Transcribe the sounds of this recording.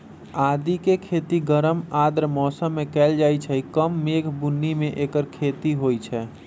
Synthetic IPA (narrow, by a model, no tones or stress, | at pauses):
aːd̪ikekʰet̪iɡəɾəmad̪ɾmɔsəmːekɛld͡ʒajt͡ʃʰɛikəmːekʰbunːimẽʔekəɾkʰet̪iɦojt͡ʃʰɛ